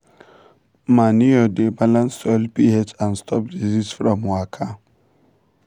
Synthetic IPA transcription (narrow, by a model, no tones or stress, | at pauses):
maniodebalãnsɔlpihetãnstʰɔpdizitsfɾɔ̃mwakʰa